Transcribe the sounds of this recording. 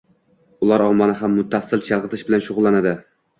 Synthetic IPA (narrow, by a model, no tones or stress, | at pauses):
ʊlˠaɾɒmɒnɪɦamːʊt̪ʰːasːɪlt͡ʃʰɑlˠʁɨt̪ʰɪʃbɪlanʃʊʁʊlˠːanad̪ɪ